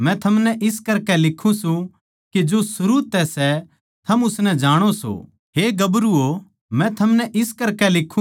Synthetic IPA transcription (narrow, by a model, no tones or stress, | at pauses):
mɛ̃t̪ʰɐmnɛʔɪskɐɾkɛlɪkʰːũsũ | kid͡ʒosʊɾuːt̪ɛsɛ | t̪ʰɐmʊsnɛ̃d͡ʒaːɽ̃oso̰ | ɦeɡɐbɾuo | mɛ̃t̪ʰɐmnɛʔɪskɐɾkɛlɪkʰːũ